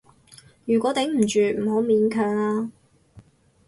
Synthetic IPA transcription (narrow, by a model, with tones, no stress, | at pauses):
jyː˨kʷɔː˨˥t̪ɛ˨˥ŋm̩˨˩t͡ʃyː˨m̩˨˩ɦo˨˥miː˨˥nkʰœː˨ŋlaː˧˥